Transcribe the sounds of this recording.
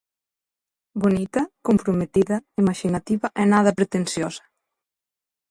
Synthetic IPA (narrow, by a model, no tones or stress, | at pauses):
bonit̪ɐkumpɾumet̪iðɐimaʒinat̪iβɐʔenaðɐpɾet̪ensjɔzɐ̥